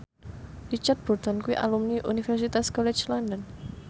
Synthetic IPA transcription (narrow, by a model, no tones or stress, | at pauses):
rit͡ʃard̪̚b̥ɔrt̪ɔnkuiʔa̰lumniʔunifɛrsit̪askɔlɛ̥t͡ʃlɔndɔn